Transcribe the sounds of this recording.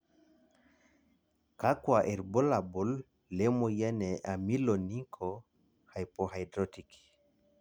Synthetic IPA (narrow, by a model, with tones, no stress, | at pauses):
ka˦kwa˨ʔe˨ɾbo˦la˨bo˨lː | e˦mo˨ja˦nɛ˨ʔa˨mi˦lo˨ni˦ŋkʰɔ | ha˨jpɔ˨hajdɾoti˨k